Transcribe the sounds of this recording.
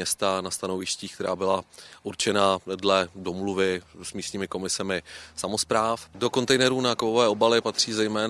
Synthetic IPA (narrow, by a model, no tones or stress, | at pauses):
ɛst̪anast̪anovɪʃciːkt̪ɛɾa̰ːbɪlaʔuɾt͡ʃɛnadlɛdo̞mluvɪsmiːst̪ɲiːmɪko̞mɪsɛmɪsamo̞spɾaːfdo̞ko̞nt̪ɛjnɛɾuːnakvovɛːʔo̞balɪpat̪r̥iːzɛjmɛːn